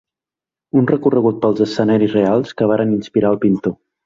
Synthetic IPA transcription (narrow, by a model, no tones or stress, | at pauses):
unrəkurəɣut̪̚pəlˠzəsːənaɾizrealˠskəβ̞aɾəninspiɾaəlˠpint̪o